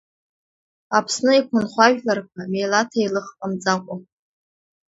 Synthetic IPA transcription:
apʰsnɨikʷʰʊnχʷaʒᶣlarkʷʰamejlatʰailɨχqʼamd͡zakʷʼa

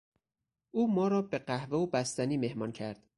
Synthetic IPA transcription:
ʔuːmɒːɾɒːbe̞ɢæhveobæst̪æniːme̞hmɒːncʰæɾd̪̥

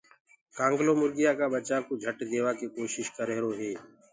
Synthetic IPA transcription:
kãːŋɡloːmʊɾɡɪjaːkaːbət͡ʃaːkod͡ʒʱəʈd̪eːʋaːkikoːʃɪʃkəɾeːɾoːɦeː

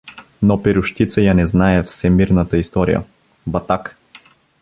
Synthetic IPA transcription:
nɔpiɾʊʃt̪it̪səjanɛznaɛfsɛmiɾnət̪əist̪ɔɾḭjə̰ | bɐt̪ak

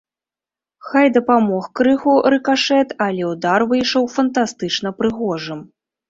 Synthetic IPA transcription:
xajd̪ɐpamɔxkɾɨɣuɾɨkaʂɛt̪alʲɛud̪arvɨjʂɔwfɐnt̪ast̪ɨt͡ʂnɐpɾɨɣɔʐɨm

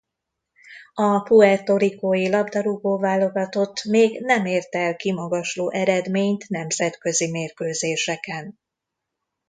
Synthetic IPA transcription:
ɒpuɛt̪o̞ɾikoːjilɒbd̪ɒɾuboːlvaːlːo̞ɡɒt̪o̞t̪ːmeːɡnɛmeːrt̪ɛɛlkimɒɡɒʃloːʔɛɾɛd̪meːɲt̪nɛmz̥ɛt̪kø̞zimeːrkøːzeːʃɛkɛn

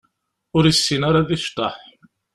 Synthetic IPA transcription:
ʊɾisːinaɾaðiʃt̪ˤɑħ

